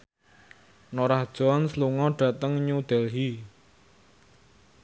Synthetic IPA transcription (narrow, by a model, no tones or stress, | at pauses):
nɔɾahd̥ʒ̥ɔnsluŋɔɖ̥ä̤t̪əŋɲud̪̥ɛlɦi